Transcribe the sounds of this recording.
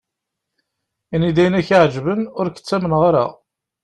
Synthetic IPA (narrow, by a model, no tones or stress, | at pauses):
inid̪æjənæçiʕd͡ʒvənʊɾkə̥t͡sːæmənʁaɾa̰